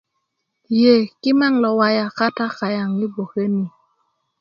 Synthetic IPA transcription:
je˨kɪ˦ma˦ŋlɔ˨wa˨ja˨ka˦ta˦ka˨ja˨ŋi˦bo˨ke˦ni˨

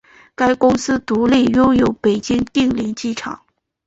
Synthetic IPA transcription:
ka˥ɪkʊ˥ŋsɹ̩˥t̪u˧˥li˥˩jʊ˥ʊjo˧˥ʊpe˨˩ɪt͡ɕi˥ŋt̪i˥˧ŋli˧˥˧t͡ɕi˥˩ʈ͡ʂʰɑ̰˨˩˦ŋ

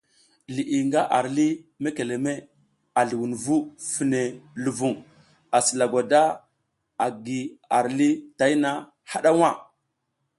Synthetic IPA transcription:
li˨ʔi˨ŋɡa˦ʔa˨ɾli˦me˦ke˨le˨me˦ | a˨ɮi˨wu˨nvu˦fi˨ne˨lu˨vu˨ŋ | a˨si˨la˨ɡʷa˨da˦ | a˨ɡi˨a˨ɾli˦ta˦jna˦ | ha˦ɗa˦wa˦˨

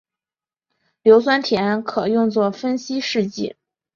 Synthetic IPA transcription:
ljo˧˥ʊswa˥nt̪ʰjɛ˧˥nkʰɤ˨˩jʊ˥˧ŋt͡swɔ˥˩fə˥nɕi˥ʂɻ̩˥˧t͡ɕḭ˥˩

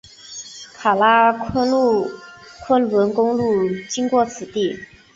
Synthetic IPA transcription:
kʰa˨˩la˥ | kʰwə˥nwə˧˥nkʊ˥ŋlu˥˩t͡ɕi˥ŋkwɔ˥˩t͡sʰɹ̩˨˩t̪i˥˩

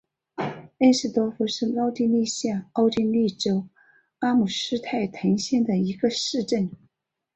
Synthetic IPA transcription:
e˥ɪʂɻ̩˥˩t̪wɔ˥fu˧˥ʂɻ̩˥˩mɑ˥ʊt̪i˥˧nli˥˧ɕja˥˩ɑ˥ʊʈ͡ʂi˥˧nli˥˩ʈ͡ʂo˥ʊ | a˥mu˨˩ʂɻ̩˥t̪ʰa˥˩ɪt̪ʰɤ˧˥ŋɕjɛ˥˩nd̪ə˩i˧˥ɡə˧ʂɻ̩˥˧ʈ͡ʂə˥˩n

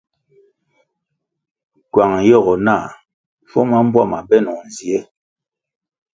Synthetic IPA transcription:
kwa˨ŋ˨jɔ˦˨ɣɔ˨na˦˨ | fɔ˦ma˦m̩˦bwa˦˨ma˨bɛ˦nɔ˨n˨zi˨ɛ˦

